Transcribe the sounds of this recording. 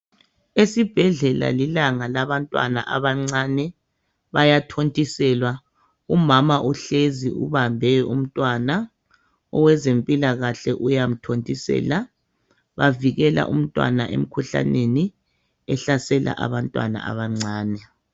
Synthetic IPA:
esib̥ʱɛɮɛla̰lilaŋalaβantʼwa̰na̰ʔaβaŋ͡ǀanɛ | βajatʰontʼisɛlwa | umamaʔuɬeziṵβambʱɛum̩tʼwana | ɔwɛzempʼilaɣaɬɛʔujam̩tʰontʼisɛ̰ːla | βaviɣɛla̰ʔṵm̩tʼwa̰naʔḛm̩kʰuɬa̰neni | ɛɬasɛla̰ʔa̰βantʼwa̰na̰a̰βaŋ͡ǀaːnɛ

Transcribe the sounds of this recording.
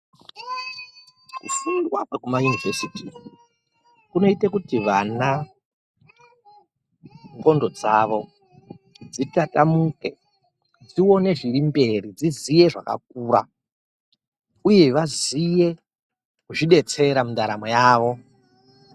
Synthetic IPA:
kṵfundwakwekumajunivesiti | kuno̞itakutiʋana | ŋɡo̞ndo̞d͡zaʋo̞ | d͡zitatamuke | d͡zio̞ne̞ʐirimbe̞rid͡zizije̞ʐa̰ka̰k̚uːɾa̰ | uje̞ʋazije̞ | kuʐiɗe̞t͡se̞ɾamundaɾamo̞jaːʋo̞

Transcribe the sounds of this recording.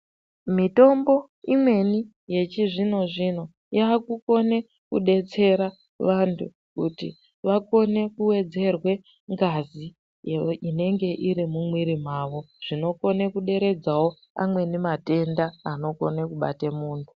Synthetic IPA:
mito̞mbo̞ | imwe̞ni | je̞t͡ʃiʐino̞ʐino̞ | jaːkuko̞ne̞ | kṵɗe̞t͡se̞ɾa | ʋantʰṵ | kṵtḭ | ʋako̞ne̞kuwe̞d͡ze̞rwe̞ | ŋɡazi | jeine̞ŋɡe̞ʔiɾimumwiɾim̤aːʋo̞ | ʐ̥ino̞ko̞ne̞kuɗe̞ɾe̞d͡zawo̞ | a̰mwe̞nimate̞ndaano̞ko̞nekuɓa̰temuːntʰu̥

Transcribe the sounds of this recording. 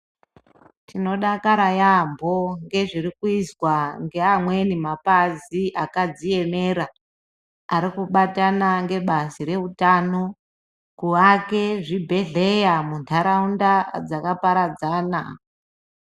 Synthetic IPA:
tino̞ɗakaɾajambo̞ŋɡe̞ʐirikuizwaŋɡe̞amwe̞nimapaziʔakad͡zie̞me̞ɾa | aɾikuɓatanaŋɡe̞ɓasiɾe̞utaːno | kuake̞ʐibʱe̞ɮe̞jamuntʰaɾaundad͡zakapaɾad͡zaːna̰

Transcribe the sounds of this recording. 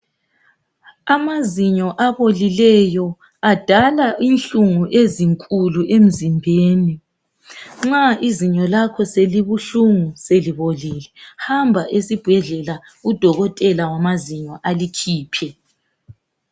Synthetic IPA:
amaziɲɔʔaβolilɛjɔ | ad̥ʱalaʔinɬuŋuʔeziŋkʼuluʔem̩zimbʱeːni | ŋ͡ǁaʔiziɲɔlakʰɔseliβuɬuŋuseliβolilɛhambʱaʔesib̥ʱɛɮɛla | ud̥ʱɔɣɔtʼɛlawamaziɲɔʔalikʰiːpʰɛ

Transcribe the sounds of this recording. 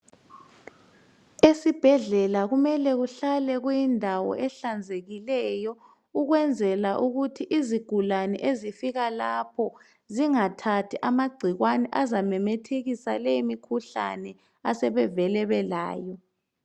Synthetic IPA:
esib̥ʱɛɮɛlaɣumɛlɛɣuɬalɛɣujindʱawɔ̰ʔɛɬand͡zʱeɣilɛjɔ | uɣwɛnd͡zʱɛlaʔuɣutʰiʔiziɡ̥ʱulanɛ̰ʔezifiɣalapʰɔ | ziŋatʰatʰiʔamaɡ͡ǀʱiɣwanɛʔazamɛmɛtʰeɣisa̰leimikʰuɬa̰nɛ | asɛβɛvɛlɛβɛla̰ːjɔ

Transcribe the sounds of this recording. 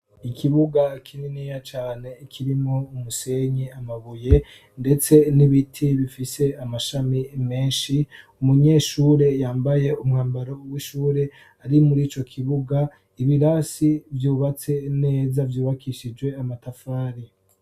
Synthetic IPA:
ikiβuɡakʰininiːjat͡ʃaːne̞ikʰiɾimoumuse̞ɲiamaβuje̞ | nde̞t͡se̞niβitʰiβifise̞amaʃamime̞ːnʃiumuɲe̞ːʃuːɾe̞jaːmbaje̞umŋaːmbaɾowiʃuːɾe̞ | aɾimuɾiːt͡ʃo̞kʰiβuɡa | iβiɾasivjuːβat͡se̞ne̞ːzavjuːβakʰiʃid͡ʒwe̞amatafaːɾi

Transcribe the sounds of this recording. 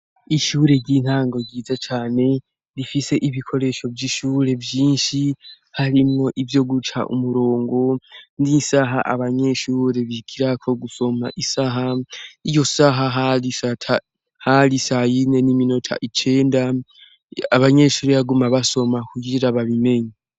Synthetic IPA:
iʃuːɾe̞ɟin̥haːŋɡo̞ɟiːzat͡ʃaːne̞ | ɾifise̞ʔiβikʰo̞ɾe̞ʃo̞vjiʃuːɾe̞vjiːnʃi | haɾimŋo̞ʔivjo̞ɡut͡ʃa̰ʔṵmuɾo̞ːŋɡo̞ndisaɦaʔaβaɲe̞ʃuːɾe̞βikʰiɾakʰo̞ɡuso̞maʔisaɦaijo̞saɦaɦalisatʰa | haɾisahajine̞niminotʰa̰ʔit͡ʃe̞ːnda | aβaɲe̞ʃuːɾeβaɡumaβaso̞makuɡiɾaβaβime̞ɲa

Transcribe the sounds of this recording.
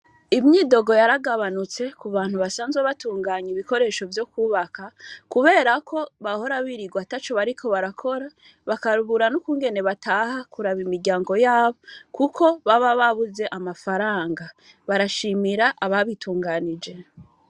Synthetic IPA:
imɲiːdo̞ɡo̞jaɾaɡaβanut͡se̞kuβaːn̥huβasaːnzɡweβatuːŋɡaːɲiβiko̞ɾe̞ʃo̞vjo̞kuːβakakuβe̞ːɾakʰo̞βaho̞ɾaβiɾiɡwatat͡ʃoβaɾikʰo̞βaɾakʰo̞ɾa | βakaɾuβuɾanukuːŋɡe̞ne̞βatʰaːhakuɾaβimiɾɟaːŋɡo̞jaːβo̞kukʰo̞βaβaβaβuze̞ʔamafaɾaːŋɡa | βaɾaʃimiɾaʔaβaβitʰuːŋɡanid͡ʒe̞

